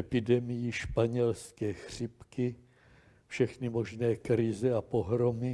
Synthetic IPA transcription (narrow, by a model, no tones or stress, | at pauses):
ɛpɪdɛmɪjɪʃpaɲɛlskɛːxr̝̥ɪpkɪ | fʃɛxnɪmo̞ʒnɛːkɾɪzɛapoɦɾomɪ